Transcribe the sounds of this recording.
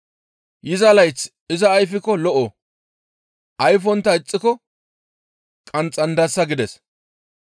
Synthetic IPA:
jɪzɐlɐjt͡s | ɪzɐːjfɪkɔlɔʔɔ | ʔɐjfɔnt̪ːɐɪt͡sʼːɪkɔ | kʼɐnt͡sʼɐnd̪ɐsːɐɡɪd̪ɛs

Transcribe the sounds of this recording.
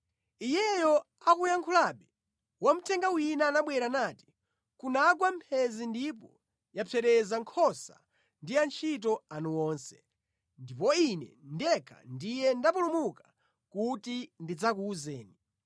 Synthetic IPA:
ijɛjɔ | akujaŋkʰulaɓɛ | wam̩tʰɛŋɡawinanaɓwɛɾanaːti̥ | kunaɡwampʰɛzindipɔ | japʰɛɾɛzaŋkʰɔsa̰ | ndiant͡ʃʰit̬ɔanuwɔːnsɛ̥ | ndipɔinɛ̰ndɛkʰa̰ndijɛndapulumuka | kutindid͡zak̬uːzɛːni

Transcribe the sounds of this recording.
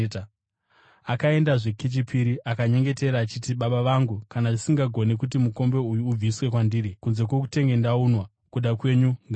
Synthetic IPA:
akae̞ndaʐeket͡ʃipʰiɾiʔakaɲe̞ŋɡe̞te̞ɾaːt͡ʃitiɓaɓaʋaŋɡukanaʐisiŋɡaɡʱo̞nekut̬imuko̞mbe̞ujuːb͡viswe̞kwandirikunze̞kwok̬ute̞ŋɡe̞ndaunwa | kuɗakwe̞ɲuŋɡa

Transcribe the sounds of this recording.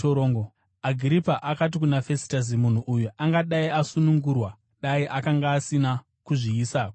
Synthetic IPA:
oɾoːŋɡo | aɡʱiɾipaʔakat̬ikunafesi̥taz̬imun̤uʔujuʔaŋɡaɗaiasunuŋɡurwa | ɗaiʔakaŋɡaːsina | kuʐiːsaːko

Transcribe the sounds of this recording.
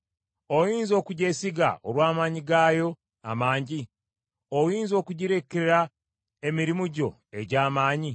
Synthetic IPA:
ojiːnzo̞ːkuɟe̞siɡa̰oɾwaːmaːɲiɡaːjo̞ | a̰maːɲɟi | ojiːnzo̞ːkuɟiɾe̞kːeeɾa | e̞miɾimuɟo̞̰ | e̞ɟaːmaːɲi

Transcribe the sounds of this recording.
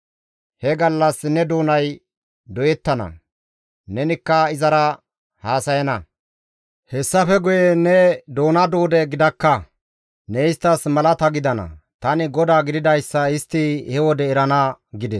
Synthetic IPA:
hɛɡɐlːɐsnɛd̪oːnɐj | d̪ɔjɛt̪ːɐnɐ̰ | nɛnɪkːɐɪzɐɾɐ | haːsɐjɐnɐ | hɛsːɐfɛɡʊjɛnɛd̪oːnɐd̪oːd̪ɛɡɪd̪ɐkːɐ | nɛɪst̪ːɐsmɐlɐt̪ɐɡɪd̪ɐnɐ̰t̪ɐnɪɡɔd̪aːɡɪd̪ɪd̪ɐjsːɐɪst̪ːɪhɛwɔd̪ɛːɾɐnɐɡɪd̪ɛs

